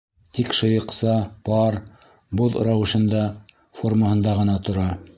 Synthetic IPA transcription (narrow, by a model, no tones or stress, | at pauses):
t̪ikʃɤ̆jɤ̆qsɑpɑɾ | boðɾɑwɘ̆ʃɤ̆nd̪ɑ | forməhɤ̆nd̪ɑʁɤ̆nɑt̪ŏɾɑ